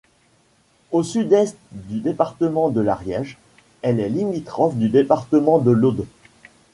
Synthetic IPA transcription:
osyd̪ɛst̪d̪yd̪epaʁt̪əmɑ̃d̪əlaʁjɛʒ | ɛlɛlimit̪χɔfd̪yd̪epaʁt̪əmɑ̃d̪əlod̪o

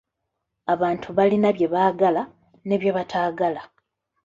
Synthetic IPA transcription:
aβaːntʰuβalinaβje̞βaːɡala | ne̞βje̞βatʰaːɡala

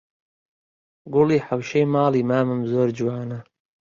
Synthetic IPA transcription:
ɡʊliːħawʃejmɑːliːmaːmɨmzoːɾd͡ʒuwaːnɐ

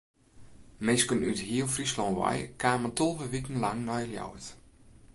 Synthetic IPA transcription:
mɪskənythiəlˠfrislɔnʋa̰jkʰaːməntolˠvəʋikən̩laŋnɔjəljɔ̰wət

